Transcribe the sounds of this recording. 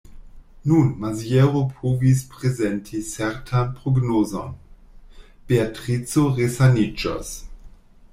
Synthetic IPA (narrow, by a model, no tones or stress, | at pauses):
nunmazieɾopʰovis̬pʁezentʰit͡sɛɾtʰanpʁoɡnoːzo̰n | b̥eatʁit͡soʁesanid͡ʒa̰s